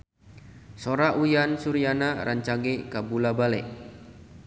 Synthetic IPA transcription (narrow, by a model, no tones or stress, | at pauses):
soɾaʔujansuɾianaɾʔaɲt͡ʃaɡekabulabalɛ̰ʔ